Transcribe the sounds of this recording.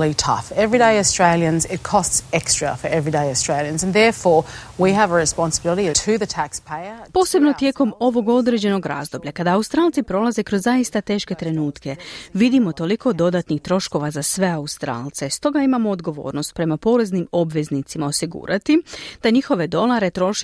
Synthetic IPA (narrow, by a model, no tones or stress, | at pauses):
litʰʌ̰fɛvɹideɪɨstɹ̥eɪlˠjə̃nzɪt̚kʰɔstsɛkstɹ̥əfə˞ʔɛvɹideɪəstɹ̥eɪlˠjə̃nzə̃nðɛɹfɔɹwiəvəɹɪspɑ̃nsəbɪlˠəɾitʰɨðɨtʰækspʰeɪəpo̞ːse̞bno̞t̪je̞ːko̞mo̞ʋo̞ɡo̞d̪ɾe̞d͡ʑe̞no̞ɡɾa̰zd̪o̞bʎakad̪aːust̪ɾaːlˠt̪sipɾo̞laze̞kɾo̞zːaist̪at̪e̞ːʃke̞t̪ɾe̞nuːt̪ke̞ʋid̪imo̞t̪o̞liko̞d̪o̞d̪at̪nixt̪ɾo̞ʃko̞ʋazasʋe̞aust̪ɾa̰ːlˠt̪se̞st̪o̞ɡaimamo̞ːd̪ɡo̞ʋo̞̰ːɾno̞st̪̚pɾe̞mapo̞ːɾe̞znimo̞bʋe̞znit̪simaosiɡṵːɾʔat̪id̪̥aɲixo̞ʋe̞d̪o̞lˠaɾe̞t̪ɾo̞ʃ